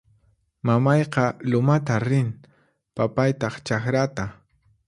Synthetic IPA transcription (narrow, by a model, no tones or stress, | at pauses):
mamɑjqɑlʊmat̪aɾɪn | papajt̪ɑχt͡ʃaxɾat̪a